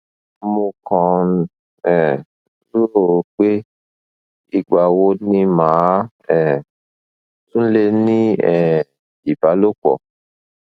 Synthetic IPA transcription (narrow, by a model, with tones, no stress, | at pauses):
mũ˧kɔ̃˨n˧ | ɛ˨ | zu˦o˦˨˦k͡pe˦ | i˧ɡ͡ba˨wo˧˦nĩ˧mãː˨˦ | ɛ˨ | tũ˦n̩˦le˦nĩ˦ɛ˨ | i˨ba˨˦lo˦k͡pɔ̰˨